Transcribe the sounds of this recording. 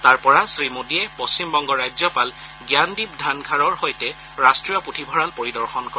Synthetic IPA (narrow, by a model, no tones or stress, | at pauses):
taɹpɔɹasɹimodiɛpost͡ɕimbɔŋɡɔɹajzjɔpal | ɡjandib̚dʱanɡʰʱaɹɔɹhojtɛ | ɹastɹijɔputʰibʱɔɹalpoɹidɔɹxɔnkɔɛ